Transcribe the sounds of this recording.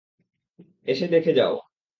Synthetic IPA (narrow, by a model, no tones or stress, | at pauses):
eʃed̪ekʰed͡ʑa̰o